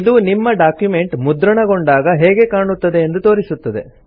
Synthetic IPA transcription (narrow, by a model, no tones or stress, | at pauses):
id̪uːnimːɐɖaːkjume̞ɳʈmud̪ɾɐɳɐɡoɳɖaːɡɐɦɛːɡe̞kaːɳut̪ːɐd̪e̞ːnd̪ut̪o̞ːɾisut̪ːɐd̪e̞̰